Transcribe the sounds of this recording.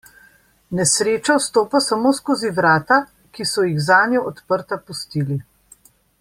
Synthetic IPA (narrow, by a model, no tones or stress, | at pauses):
nɛsɾeːt͡ʃawst̪oːpasamoːskoːziʋɾaːt̪a | kisɔjiɣzaːnjɔʔɔt̪pəɾt̪apust̪iːli